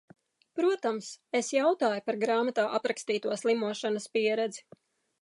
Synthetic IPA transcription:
pɾuɔt̪amsesjawt̪aːjupaɾɡɾaːmat̪aːʔapɾakst̪iːt̪uɔslˠimuɔʃanaspiɛɾɛd̪zi̥

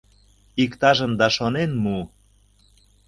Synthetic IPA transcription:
ikt̪ɑʒəmd̪ɑʃonenmu

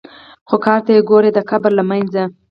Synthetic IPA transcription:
xokɑɾt̪ajeɡoɾed̪əkabɾlamanza

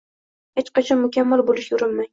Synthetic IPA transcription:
het͡ʃqɑt͡ʃʰɒmʊkʲʰamːalˠbolɪʃjʊɾɪlmaj

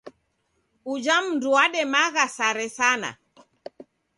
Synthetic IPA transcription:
ud͡ʒam̩nduaɗɛmaɣasaɾɛsana̰

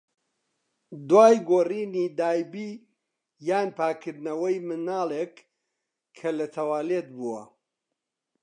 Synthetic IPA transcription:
d̪waːjɡoːriːniːd̪aːjbiː | jaːnpʰaːkʰɨɾd̪nɐwɐjmɨnaːlˠeːkʰː | ɐlɐt̪ʰɐwaːlet̪̚buwɐ̰

